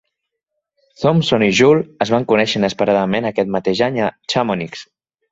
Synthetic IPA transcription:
θomsoniʒulˠəzβaŋkunɛʃənəspəɾaðəmenəkɛt̪̚mət̪eʒaɲət͡ʃamoniks

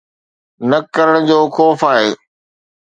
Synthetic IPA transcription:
nɐkəɾəɽ̃d͡ʑoːxɔːfaːɦeː

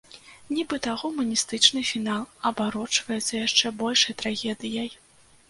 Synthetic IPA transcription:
nʲibɨt̪aɣɔmɐnʲist̪ɨt͡ʂnɨfʲinalˠɐbaɾɔt͡ʂvɐjɛt̪sːɐjaʂt͡ʂɛbɔlʲʂɐjt̪ɾaɣʲɛd̪ɨjɐj

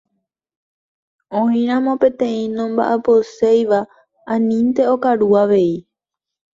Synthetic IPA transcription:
õĩɾ̃ãmõpẽ̞t̪ẽ̞ĩnõmba̰ʔapo̞sejʋa | ãnĩnt̪e̞okaɾuaʋe̞i

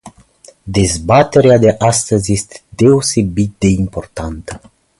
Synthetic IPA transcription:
d̪e̞zbat̪e̞ɾead̪e̞ʔast̪əzjest̪e̥d̪e̞ose̞bit̪̚d̪e̞impo̞rt̪ant̪ə

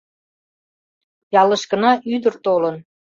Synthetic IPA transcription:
jɑləʃkənɑʔyd̪ərt̪olən

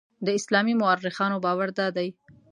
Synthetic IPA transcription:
d̪əɪslɑmimʊarːɪxɑnobɑwaɾd̪ɑd̪aj

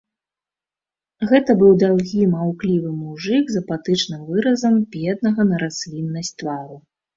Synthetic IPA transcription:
ɣɛt̪ɐbɨwd̪awɣʲimawklʲivɨmuʐɨɡzɐpat̪ɨt͡ʂnɨmvɨɾɐzɐmpʲjɛd̪̚nɐɣɐnɐɾasʲlʲinːɐsʲt̪vaɾu

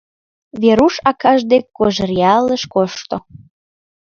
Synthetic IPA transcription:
βeɾuʃɑkɑʒd̪ekːoʒərjɑləʃkoʃt̪o

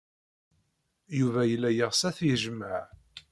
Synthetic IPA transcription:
juvæjəlːæjəʁsæθjəʒməʕ

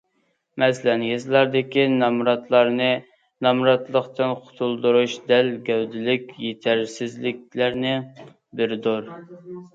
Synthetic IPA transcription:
mɛslɛnɡʲezlˠɑɾd̪ɪkʲinɑmɾɑt̪lˠɑɾnɨ | nɑmɾɑt̪lˠəqt̪ɨnqʰʊ̥t̪ʰulˠd̪uɾuʃd̪ɛlɡʲɛwd̪ɪlɪkʲjet̪ʰæɾsɪzlɪk̚ʲlæɾnɪ | bɪɾd̪uɾ

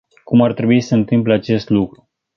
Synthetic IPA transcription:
kumart̪ɾebuisəɨnt̪ɨmpleat͡ʃe̞st̪lukɾu

